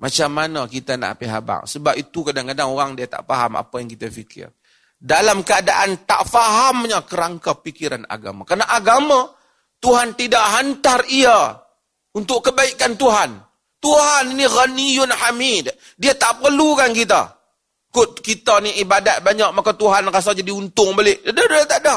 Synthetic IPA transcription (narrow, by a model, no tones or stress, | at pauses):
mʔat͡ʃamːanakit̪ana̰ʔpiɦa̰ba̰ŋsəbapit̪ukadaŋkadaŋoɾaŋdiat̪a̰ʔfaɦa̰ma̰pajaŋkit̪afikʰɪ̰r | dalamkəadaʔant̪aʔfaɦamɲakəɾaŋkapikiɾana̰ɡa̰ma̰karnaʔaɡama | t̪uɦant̪idaʔɦant̪aria | unt̪ʊʔkːəbaikant̪uɦan | t̪uɦaniniɣanijʊnħamid | diat̪aʔpərlukankit̪̬a̰ | kʊt̪̚kit̪aniibadat̪̚baɲak̚makat̪uɦanras̬ad͡ʒadiunt̪ʊŋbəlɪʔadadat̪aʔda